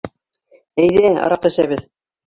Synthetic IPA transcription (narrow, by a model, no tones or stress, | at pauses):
æjðæɑ̰ɾɑq̪æ̆ʃæβɘð